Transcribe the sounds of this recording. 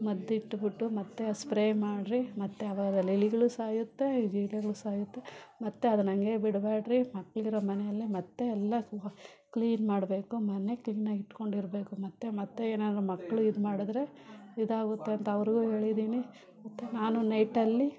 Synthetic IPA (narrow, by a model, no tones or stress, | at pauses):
mɐd̪ːiʈːbiʈːumɐt̪ːeɐspɾeːjmaːɖɾimɐt̪ːe̞ɐʋaːɡɐd̪ɐliliɡɐɭusaːjut̪ːe̞d͡ʒiːlɛɡɐɭusaːjut̪ːe̞mɐt̪ːeɐd̪unɐŋɡe̞ːbiɽbaːɖɾimɐkːɐɭiɾomɐnɛjɐlːimɐt̪ːe̞ːlːɐkliːnmaːɽbe̞ːkumɐne̞kliːnaɡiʈːko̞ɳɖiɾbe̞ːkumɐt̪ːemɐt̪ːeeːnaːd̪ɾumɐkːɐɭuid̪maːɽid̪ɾe̞id̪aːɡut̪ːe̞ɐnt̪ɐɐʋɾiɡuːɦe̞ːɭid̪iːni | mɐt̪ːe̞naːnunɐjʈɐlːi